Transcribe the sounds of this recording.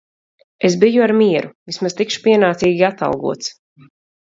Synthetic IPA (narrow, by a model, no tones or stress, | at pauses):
ezbijuaɾmiɛɾuvismaz̥t̪ikʃu̥piɛnaːt̪siːɡʲiat̪a̰lˠɡṵɔt̪s